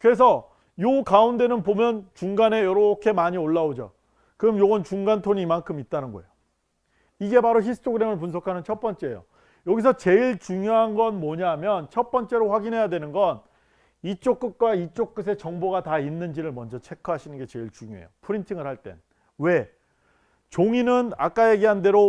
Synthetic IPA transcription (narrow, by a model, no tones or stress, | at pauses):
kɯɾe̞s̬ʰʌ | jokaunde̞nɯnpomjʌnt͡ɕuŋɡane̞jʌɾʌkʰe̞maɲioɭːaod͡ʑo̰ | kɯʌmjoɡʌnt͡ɕuŋɡantʰoɲimankʰɯmit̚t͈anɯnɡʌḛjo | iɡe̞paɾoçisʰɯ̥tʰoɡɯɾe̞mɯɭp̬unsʰʌkʰanɯnt͡ɕʰʌt̚p͈ʌnt͡ɕ͈e̞jo̰ | jʌɡis̬ʰʌt͡ɕe̞iɭt͡ɕuŋjoɦanɡʌnmʌɲaɦamjʌnt͡ɕʰʌt̚p͈ʌnt͡ɕ͈e̞ɾoɸwaɡinɦe̞jadwe̞nɯnɡʌn | it͡ɕ͈ok͈̚ɯk̚k͈wait͡ɕ͈ok̚k͈ɯs̬ʰe̞t͡ɕʌŋboɡatainːɯnd͡ʑiɾɯɭmʌnd͡ʑʌt͡ɕʰe̞kʰʌɦaɕʰinɯnɡe̞t͡ɕe̞iɭt͡ɕuŋjo̰ḛjopʰɯɾintʰiŋɯɭhaɭt͈e̞̰n | we̞ | t͡ɕoŋinɯna̰k͈aje̞ɡeɦande̞ɾo